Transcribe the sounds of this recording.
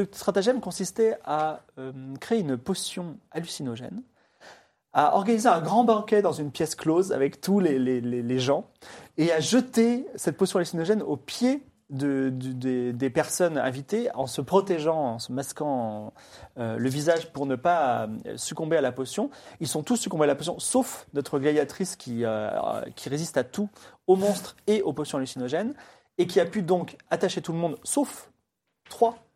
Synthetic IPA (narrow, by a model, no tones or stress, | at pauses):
səst̪χat̪aʒɛmkɔ̃sist̪ɛaømkχeeynpɔsjɔ̃alysinɔʒɛ̰n | aɔ̰ʁɡanizeɛ̃ɡʁɑ̃bɑ̃kʲɛd̪ɑ̃zynpjɛskloza̰vɛkt̪uleleleleʒɑ̃eaʒət̪esɛt̪̚pɔsjɔ̃alysinɔʒɛnopje | d̪əd̪d̪ed̪epɛʁsɔnɛ̰̃vit̪eɑ̃səpχɔt̪eʒɑ̃ɑ̃səmaskɑ̃ | øləvizaʒpuʁnəpa̰sykɔ̃bealaposjɔ̃ilsɔ̃t̪usːykɔ̃bealaposjɔ̃sofnɔt̪χəɡlajat̪χiskʲiøkʲʰiʁezist̪at̪uomɔ̃st̪χeʔoposjɔ̃lysinɔʒɛn | ekʲiapyd̪ɔ̃kat̪aʃet̪uləmɔ̃d̪sof | t̪χwa